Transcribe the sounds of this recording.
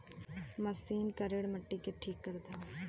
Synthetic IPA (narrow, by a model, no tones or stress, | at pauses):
mɐsiːnkɐɾeɽmɐʈːikeʈʰiːkːɐɾd̪aː